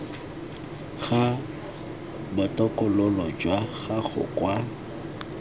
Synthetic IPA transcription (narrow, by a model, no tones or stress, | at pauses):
ɣa | bʊtʼɔkʼʊlʊlɔd͡ʒwaɣaχʊ̰kʼwa